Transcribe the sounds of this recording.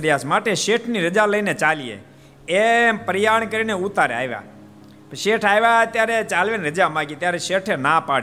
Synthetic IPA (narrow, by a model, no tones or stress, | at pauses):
ɾijasmaʈeʃeʈʰniɾəd͡ʒaləinet͡ʃalijḛ | epəɾjaɳkəɾineut̪aɾea̰ːʋja̰ | ʃeʈʰaːjʋat̪jaɾet͡ʃalʋeneɾəd͡ʒamãɡit̪jaɾeʃeʈʰenapaɽ